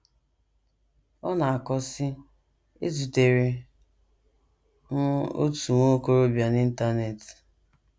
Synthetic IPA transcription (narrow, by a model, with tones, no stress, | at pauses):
ɔ˦na˨a˨kɔ˦sɪ˦ | e˦zu˨te˨ɾe˨ | ŋ̩˦o̰˦tu˨ŋʷo˦ko˦ɾo˦bja˨ni˦n̩˦ta˦ne˨t